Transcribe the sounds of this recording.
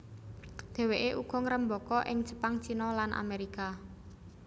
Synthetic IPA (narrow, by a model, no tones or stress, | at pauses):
d̪̥ɛ̤weʔeʔuɡ̥ɔ̤ŋəɾəmbɔkɔʔɪŋd̥ʒ̥ə̥̤paŋt͡ʃinɔlanʔa̰meɾika